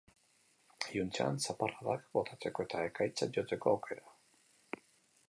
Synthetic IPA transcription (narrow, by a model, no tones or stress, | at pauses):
junt͡saa̰nsaparaðakbo̞t̪ʰat͡se̞ko̞e̞t̪aekajt͡saʝot͡s̪e̞ko̞awkʰe̞ɾa